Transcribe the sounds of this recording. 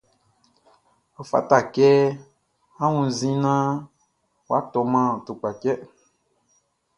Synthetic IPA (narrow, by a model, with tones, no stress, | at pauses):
o˨fa̰˨ta˨kɛ˦ | ã˦wũ˨zĩ˦nã˦ | wa˦tɔ˨mã˦˨to˨k͡pa˨cɛ˦